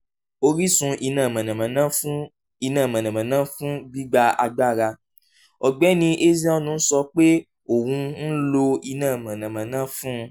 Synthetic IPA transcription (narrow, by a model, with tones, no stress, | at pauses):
o˧ɾi˦sũ˧ʔi˧nãː˦˨mã˨nã˨mã˨nã˦ | i˧nãː˦˨mã˨nã˨mã˨nãː˦fũ˦bi˦ɡ͡ba˧a˧ɡ͡ba˦˨ɾa˧ | ɔ˨ɡ͡bɛ˨˦nĩ˧ʔe˦zi˦ɔ˦nũ˧n̩˦sɔ˧k͡pe˦ | o˨wũ˧n̩˦lo˧i˧nãː˦˨mã˨nã˨mã˨nãː˦fũ˦˧